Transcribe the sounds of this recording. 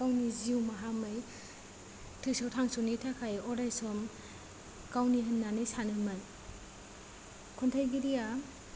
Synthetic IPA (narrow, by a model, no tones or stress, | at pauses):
kawniziuwmaɦamɯj | tʰɯsɔwtʰaŋsɔnitʰakʰajɔɾajsɔm | kawniɦɯnːanɯjsanɯman | kʰɔntʰajɡiɾija